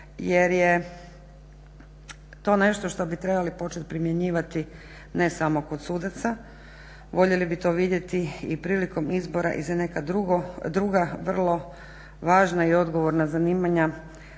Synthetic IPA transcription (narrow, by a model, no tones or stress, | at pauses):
jeɾje | t̪o̞ːne̞ʃt̪o̞ʃt̪o̞bit̪ɾe̞balipo̞t͡ʃe̞t̪̚pɾimje̞ɲiːʋat̪i | nesamo̞ko̞d̪suːd̪at̪sa | ʋo̞ʎe̞libit̪o̞ːʋid̪je̞t̪iipɾiːliko̞mizbo̞ɾa̰ʔḭzane̞kad̪ɾuɡod̪ɾuɡaʋr̩lˠo̞ | ʋaːʒnaio̞d̪ɡoʋoɾnazaniːmaɲa